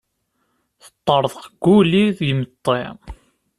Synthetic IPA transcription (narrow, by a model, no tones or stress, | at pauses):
θə̥t̪ˤːəɾˤðˤqɡːuliðjəmət̪ˤːḛ